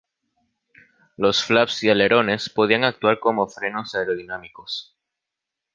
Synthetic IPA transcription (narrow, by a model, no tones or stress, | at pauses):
lo̞sflapsjale̞ɾo̞ne̞spoð̞iaŋak̚t̪waɾko̞mo̞fɾe̞no̞saeɾoðinãmiko̞s